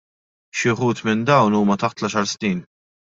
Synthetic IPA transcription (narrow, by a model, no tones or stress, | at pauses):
ʃɪħuːt̪mɪnd̪ɐwnuːmɐt̪ɐħt̪lɐʃɐɾsniːn